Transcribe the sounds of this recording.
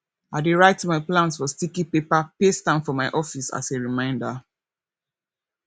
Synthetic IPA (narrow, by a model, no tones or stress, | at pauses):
adeɹaɪtmaɪplãnsfɔstikipepapestãnfɔmaɪʔɔfisa̰seɹimãɪ̃nda